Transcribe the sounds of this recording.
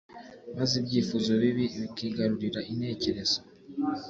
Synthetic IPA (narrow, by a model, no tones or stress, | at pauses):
mazibɟiːfuzo̞βiβiβikiːɡaɾuɾiɾaʔinhe̞ːce̞ɾe̞z̥o̥